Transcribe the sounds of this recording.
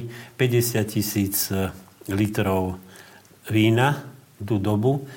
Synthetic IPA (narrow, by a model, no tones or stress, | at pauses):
pɛɟɛsɪacisiːt͡s | lit̪ɾɔʊ | ʋiːna | d̪ud̪ɔbu